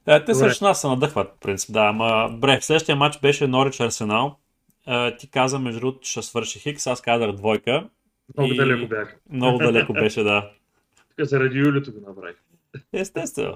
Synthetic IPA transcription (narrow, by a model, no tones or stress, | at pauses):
ət̪ɛɾɐʃnasɐnɐd̪ɤxvət̪̚po̥pɾint̪si̥p̚d̪aːmɐbɾɛfslɛd̪ʃt̪ijəmat͡ʃbɛʃɛnɔɾit͡ʃɐɾsɛnalˠ | ət̪ikazəmɛʒut̪ʃɐsvɤɾʃixiksaskazɐɣd̪vɔjkə | mnoɡiʊd̪ɐlɛʊbjaxmnɔɡʊd̪ɐlɛkʊbɛʃɛd̪ḁ | kazɐɾɐd̪ijulʲit̪oɡʊnɐpɾa̰i | ɛst̪ɛst̪vɛ̰no̰